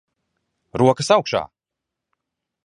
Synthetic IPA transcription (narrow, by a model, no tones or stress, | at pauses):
ɾuɔkəsawkʃa̰ː